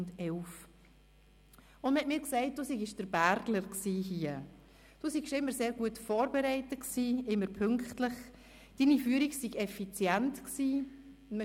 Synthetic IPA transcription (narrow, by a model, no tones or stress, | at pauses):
ndɛlf | ʊnmhɛtmiːɾksɛɪt̚d̥uːsiɡɪʃd̥əɾbæɾdləɾksiːɦiːə | d̥usiɡʃɪmːəɾseːɾɡuətfɔːɾbɛɾɛɪtəksiːɪmːəɾpʰʏŋktləχ | d̥iːnifyəɾiksiɡɛfit͡sjɛntksiː | m